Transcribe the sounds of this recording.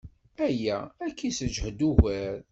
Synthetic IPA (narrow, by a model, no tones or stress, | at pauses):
æjæækːisəd͡ʒhəd̪uʝæɾ